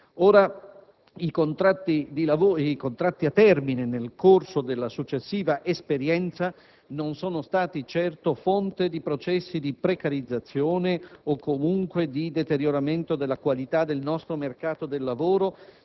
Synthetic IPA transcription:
oːɾa | ikont̪ɾat̪ːid̪ilavoːikont̪ɾat̪ːiat̪ːɛrminenelkorsod̪elːasut͡ʃːesːiːvaʔespeɾjɛnt̪sa | nonsoːnost̪aːt̪it͡ʃɛrt̪ofont̪ed̪ipɾot͡ʃɛsːid̪ipɾekaɾid̪zːat̪sːjoːneokːomuŋkwed̪id̪et̪eɾjoɾament̪od̪elːakwalit̪ad̪elnɔst̪ɾomerkaːt̪od̪elːavoːɾo

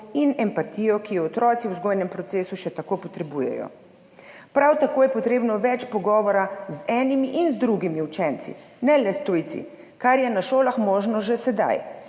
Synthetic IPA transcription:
inɛmpat̪iːjɔkijɔɔt̪ɾɔːt̪siwzɡojnɛmpɾɔt̪seːsuʃɛt̪akopɔt̪ɾɛbujɛ̰jɔ̰ | pɾawt̪akoːjɛpɔt̪ɾeːbnɔʋɛt͡ʃpɔɡɔːʋɔɾazɛːnimiʔinzd̪ɾuɡimiut͡ʃɛnt̪sḭ | nɛlɛst̪ujt̪sḭ | kaɾjɛnaʃoːlaxmoːʒnɔʒɛsɛd̪a̰j

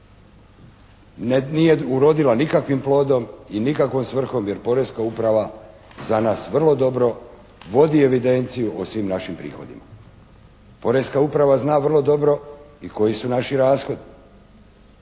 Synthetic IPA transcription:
nnije̞uɾo̞d̪ilanikakʋimplo̞ːd̪o̞minikakʋomsʋr̩xo̞mje̞ɾpo̞ɾeskaupɾaʋa | zanaːsʋr̩lˠo̞d̪o̞bɾo̞ | ʋo̞d̪ie̞ʋid̪e̞nt̪sijuʔosʋimnaʃimpɾḭːxo̞̰d̪ḭma̰ | po̞ɾeskaupɾaʋaznaːʋrlˠo̞d̪o̞bɾo̞iko̞jisunaʃiɾaːsxo̞d̪i

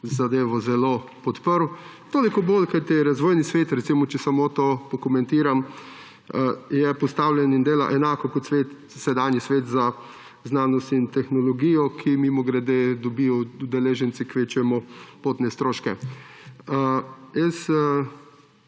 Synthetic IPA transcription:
zad̪eːʋɔzɛlopɔt̪pəɾwt̪oːlikɔbolkajt̪iɛɾazʋoːjnisʋeːt̪ɾɛt̪simɔt͡ʃɛsamoːt̪oːpɔkomɛ̃nt̪iːɾam | jɛpɔst̪awlʲjɛnind̪eːla̰ʔɛnaːkɔkɔt̪sʋeːt̪ | sɛd̪anjisʋeːt̪za | znaːnɔst̪int̪ɛxnɔlɔɡijɔkʰimimɔɡɾɛd̪ed̪ɔbijɔud̪ɛleːʒɛnt̪sikʋeːt͡ʃujɛmɔpoːt̪nɛst̪ɾoːʃkɛ | jɛs

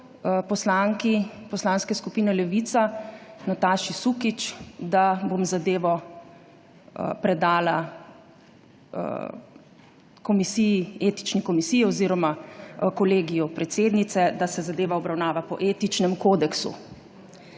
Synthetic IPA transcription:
pɔslaŋkipɔslaːnskɛskupiːnɛlɛʋiːt̪sanat̪aːʃisuːkit͡ʃd̪abomzad̪eːʋɔ | pɾɛd̪aːla | kɔmisijieːt̪i̥t͡ʃnikɔmisiːjɔziːɾɔmakɔleːɡijɔpɾɛt̪seːd̪nit̪sɛd̪asɛzad̪eːʋaɔbɾawnaːʋapɔ̰ʔeːt̪it͡ʃnɛmkoːd̪ɛksṵ

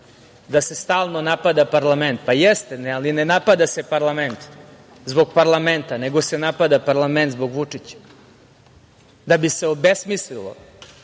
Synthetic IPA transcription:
d̪ase̞st̪aːlˠnonapad̪apaɾlˠament̪̚pajɛst̪enealinenapad̪ase̞paɾlˠament̪ | zbo̞ɡpaɾlˠament̪aneɡo̞senapad̪apaɾlˠament̪zboɡʋut͡ʂit͡ɕḁ | d̪abiseobesmislilˠo̰

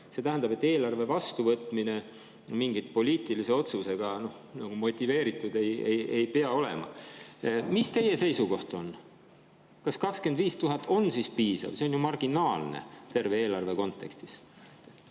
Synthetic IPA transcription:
se̞t̪æɦænd̪ɑbe̞t̪ːe̞ːlɑrve̞vɑst̪uvɤt̪ˑmine̞ | miŋɡit̪̚po̞liːt̪ˑilise̞o̞t̪suse̞ɡ̥ɑno̞h | nɑɡ̥umo̞t̪ʲːive̞ːɾit̪ːˑud̪e̞jejejpeɑo̞lḛmɑ̰ | mist̪e̞je̞se̞jsuko̞ht̪o̞n | kɑskɑkske̞nd̪viːst̪uɦɑt̪ʰːˑo̞nsispiːsɑ̰vse̞onjumɑrɡ̥inɑːlnḛt̪e̞rve̞eːlɑrve̞ko̞nt̪ːˑe̞kst̪i̥s

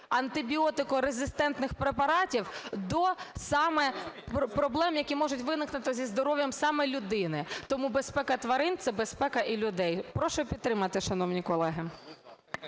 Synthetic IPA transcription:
ɐnt̪ɪbʲiɔt̪ɪkɔɾezʲɪst̪ɛnt̪nɪxpɾepɐɾɑtʲiwd̪ɔsɑmɛpɾɔblˠɛmjɐkʲimɔʒʊtʲʋɪnɪknɪt̪ɪzʲizd̪ɔɾɔʋʲjɐmsɑmɛlʲʊd̪ɪnɪt̪ɔmubespɛkɐt̪ʋɐɾɪnt̪sɛbespɛkɐʔilʲʊd̪ɛjpɾɔʃʊpʲid̪̚t̪ːɾɪmɐt̪ɪʃɐnɔwnʲikɔlˠɛɦɪ

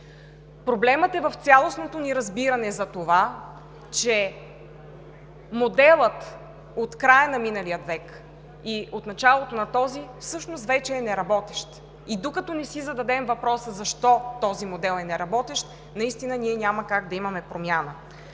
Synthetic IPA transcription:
pɾoblɛmət̪ɛvɐft̪sʲjalˠosnot̪oniɾɐzbiɾɐnɛzɐt̪ova | t͡ʃɛ | mod̪ɛlˠət̪ | ot̪kɾajɐnɐminɐlijət̪vɛk | iot̪nɐt͡ʃalˠot̪onɐt̪ɔzifsɤʃnost̪vɛt͡ʃɛːnɛɾɐbɔt̪ɛʃt̪ | id̪okɐt̪ɔnɛsizɐd̪ɐd̪ɛmvɐpɾɔsəzɐʃt̪ɔt̪ɔzimod̪ɛlˠɛnɛɾɐbɔt̪ɛʃt̪ | nɐist̪inəniɛnʲamɐkaɡd̪ɐimɐmɛpɾomʲjanə

